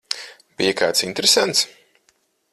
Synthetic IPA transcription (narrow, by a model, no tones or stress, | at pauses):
b̥ijakaːt̪sint̪eɾesant̪s